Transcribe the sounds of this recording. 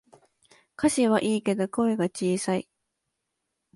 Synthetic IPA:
kʰaɕiβaʔiːke̞d̪o̞ko̞eɡat͡ɕiːsai

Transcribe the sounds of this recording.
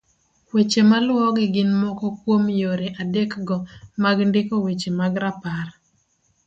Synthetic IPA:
wet͡ʃemalwɔɡɪɡɪnmɔkɔkwomjoɾeʔadekɡɔmaɡndɪkɔwet͡ʃemaɡɾapar

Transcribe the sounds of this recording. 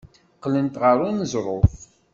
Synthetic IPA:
qːlənt̪ʁəɾˤunəzɾˤof

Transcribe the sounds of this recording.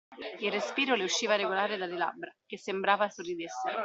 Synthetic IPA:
ilrːespiːɾolɪuʃːiːvaɾeɡolaːɾɪd̪alɪla̰bɾak̟esːembɾaːvasorːid̪esːɪ

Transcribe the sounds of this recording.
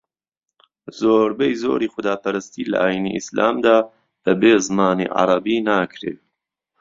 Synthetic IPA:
zoːɾbejzo̰ːɾiːxʊd̪aːpɐɾɨst̪iːlɐ̰ʔaːjinḭʔisla̰ːmd̪aː | b̥ɐbeːzmaːnḭːʕɑ̰ɾˤɐbiːnaːkʰɾḛː

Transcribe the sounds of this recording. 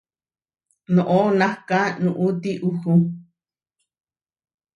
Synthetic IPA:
nõʔonãhkãnũʔut̪iʔuhu

